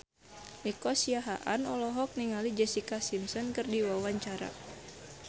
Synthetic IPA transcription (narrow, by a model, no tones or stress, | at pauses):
ikɔsiaɦa̰ʔanɔlɔɦɔk̚niŋalid͡ʒɛsikasimsɔnkərdiwawaɲt͡ʃaɾa̰